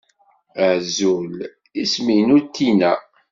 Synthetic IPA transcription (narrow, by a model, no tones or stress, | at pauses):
ʕzul | ismijnut̪ʰːinæ